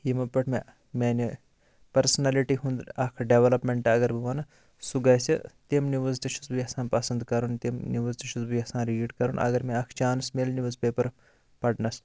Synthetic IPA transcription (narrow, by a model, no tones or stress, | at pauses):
himɐpɐʈʰmẽ | meːni | pɐɾsɐnaːliʈiɦũnd̪ɾɐkʰɖeʋɐlɐpmeɳʈɐɐɡɐɾbɨʋɐnɐ | suɡaːjsḭt̪emniʋɐzt̪ɐʃʰu̥sbiɐsãːnpɐsɐnd̪kɐɾunt̪imniʋɐzt̪ɐʃuzbiɐsãːnɾieːʈkɐɾunʔɐ̰ɡɐɾmẽɐkʰt͡ʃaːnsmelniʋɐzpeːpɐɾ | pɐɽnɐs